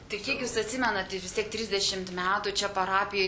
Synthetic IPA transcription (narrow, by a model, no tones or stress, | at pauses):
t̪ɐɪkʲiɛkjusɐt̪ʲsʲɪmʲɛnɐt̪tʲɪʋʲɪst̪ʲiɛk̚t̪ʲɾʲɪzʲd̪ʲɛʃʲɪmt̪mʲæːt̪ʊt͡ʃʲɛpɐɾɑːpʲɪjoː